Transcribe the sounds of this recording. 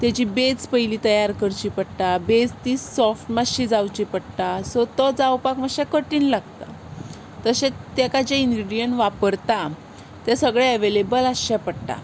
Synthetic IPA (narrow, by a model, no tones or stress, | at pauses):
t̪jad͡ʑiːbet͡spəjliːt̪əjaɾkəɾt͡ɕipəɽʈ̪abed͡zt̪isɔfʈmaɕid͡zawt͡ɕipəɽt̪asɔt̪ɔd͡zawpakmaɕɛkəʈiːnlaɡt̪a̰ | t̪əɕet̪jɛkad͡ʑeiŋɡɾiɖijəɳʈʋapəɾt̪a | t̪ɛsəɡɭɛəʋelebəlaɕɛpəɽt̪a̰